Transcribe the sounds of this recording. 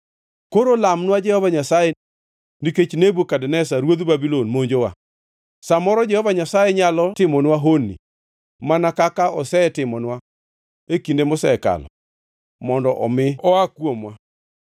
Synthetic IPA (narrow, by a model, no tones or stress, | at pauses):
koɾolamnwad͡ʒɛhɔvaɲasajɛ | niket͡ʃnebukadɛnɛsaɾwod̪ubabilonmoɲd͡ʒowa̰ | samɔɾɔd͡ʒɛhɔvaɲasajɛɲalɔtɪmɔnwaɦonːḭ | manakakaɔsɛtɪmɔnwa | ekindemʊsɛka̰lɔ̰ | mɔndɔʔɔ̰mɪɔakwomwa